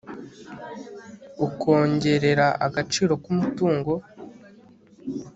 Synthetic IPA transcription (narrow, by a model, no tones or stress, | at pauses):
ukʰo̞ːɲɟe̞ɾe̞ɾaʔa̰ɡat͡ʃiːɾo̞kumutuːŋɡo̞